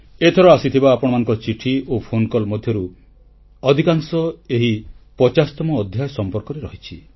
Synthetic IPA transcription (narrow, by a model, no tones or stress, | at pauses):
et̪ʰɔɾɔasit̪ʰibaːpɔɽ̃ɔmanɔ̃ŋkɔt͡ʃiʈʰiopʰonkɔlmɔd̪ʱjɔɾu | ɔd̪ʱikaŋsɔeɦipɔt͡ʃast̪ɔmɔːd̪ʱjajsɔmpɔɾkɔɾeɾɔɦit͡ʃʰi